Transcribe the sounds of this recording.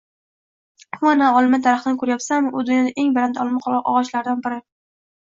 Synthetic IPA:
anaɒlˠɪmɪt̪ʰaɾaχɪnɪkʰɵɾajɒpsamʊd̪ʊnjɒd̪aʔe̞ŋbɪɾand̪ɒlˠmɪqʰɒ̰ʁɒʃlaɾd̪anbɪɾɪ

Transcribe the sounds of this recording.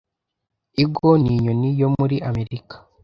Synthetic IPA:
iɡoniɲonijo̞muɾiʔame̞ɾikḁ

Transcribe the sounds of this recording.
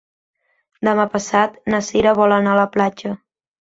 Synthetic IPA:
d̪əmapəsat̪nəsiɾəβɔlənaələplad͡ʒə

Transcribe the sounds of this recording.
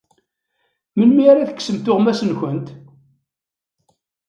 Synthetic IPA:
mənmiaɾaθə̥kːsəmt̪ʊʁmæsənçənt̪

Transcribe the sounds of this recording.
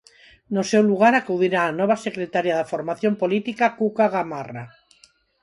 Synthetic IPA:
nosewluɣ̞aɾakuðiɾaːnɔβ̞asekɾet̪aɾjaðafoɾmaθjompolit̪ikakukaɣamara

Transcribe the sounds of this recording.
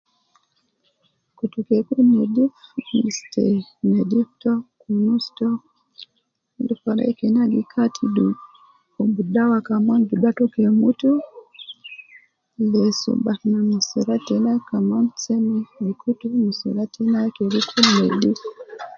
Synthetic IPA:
kutukɛkunɛdifmistɛ̰nɛdiftɔkunustɔ | lifaɾa̰kɛnaɡikʰatʰidu | ubudawakamanduɗatɔkɛmutu | lɛsṵbanamisiɾatɛnakamant͡sɛmilikʰutumisṵɾatɛnakɛɾikʰunɛdif

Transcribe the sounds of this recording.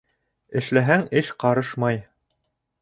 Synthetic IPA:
ɘ̆ʃlæɦæŋɘʃqɑɾɤʃmɑj

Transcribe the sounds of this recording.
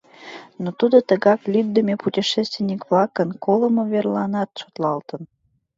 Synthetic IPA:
not̪ud̪ot̪əɣɑklʲyk̚d̪əmeputʲiʃest̪vʲenʲikβlɑkənkoləmoverlɑnɑt̪ʃot̪lɑlt̪ə̆n

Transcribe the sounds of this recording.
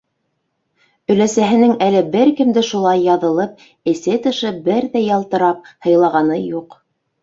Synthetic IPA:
ɵ̆læsæɦɘ̆nɘŋælɘbɘɾkɘ̆md̪ɘʃulˠɑjːɑðɤ̆lˠɤp̚ | ɘ̆sɘt̪ɤ̆ʃɤbɘɾðæjɑlˠt̪ɤ̆ɾɑp̚hɤ̆jlˠɑʁɑnɤjuq

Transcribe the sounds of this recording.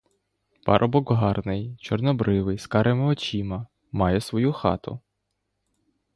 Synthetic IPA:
pɑ̰ɾʔɔbɔɡɦɑrnɪjt͡ʃɔrnɔbɾʔɪʋɪjskɑɾemɪɔt͡ʃʲimɐ | mɑjɛsʋɔjuxɑt̪ʊ̰

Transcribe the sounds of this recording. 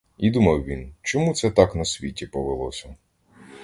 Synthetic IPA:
id̪umɐwʋʲint͡ʃɔmut̪sɛt̪ɑknɐsʲʋʲitʲipɔʋelˠɔ̰sʲɐ

